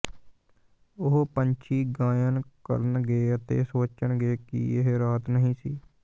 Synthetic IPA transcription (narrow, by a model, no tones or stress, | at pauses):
ʊɦpəɲt͡ʃʰiːɡãːjənkə̰ɾənɡeːət̪ḛːsoːt͡ʃəɳɡeːkḭeɦɾaːt̪nəɦĩːsiː